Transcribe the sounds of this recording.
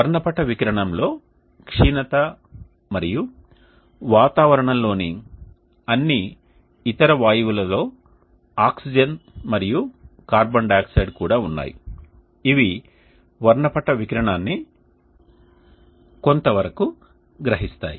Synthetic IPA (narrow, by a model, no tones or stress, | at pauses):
ɐɾɳɐpɐʈɐʋikɾɐɳɐmlo̞ː | kʂiːnɐt̪ɐ | mɐɾiju | ʋaːt̪aːʋɐɾɐɳɐmlo̞ːni | ɐnːiː | t̪ɐɾɐʋaːjɐʋulɐlo̞ː | aːksid͡ʒɐnmɐɾijukaːɾbɐnɖaːksɐjɖkuːɽaːunːa̰ːji | iʋi | ʋɐɾɳɐpɐʈɐʋikɾɐɳaːnːi | ko̞nt̪ɐʋɐɾɐku | ɡɾɐɦist̪a̰ːji